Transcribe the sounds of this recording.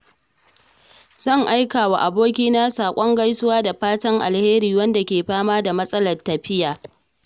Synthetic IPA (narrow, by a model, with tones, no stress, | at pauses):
z̥ɐ˦˨ŋʔa˦jkaː˨wa˨ʔa˨boː˦kʲiː˦na˦saː˨kʷʼɔ˦ŋɡa˦jsʊ˦waː˦da˨ɸaː˦tɐ˦ŋʔa̰˨lheː˦ɾiː˨wɐ˦nda˨kʲeː˨ɸaː˦maː˦da˨mɐ˦sʼɐ˦lɐ˨rtːɐ˨ɸɪ˦jaː˨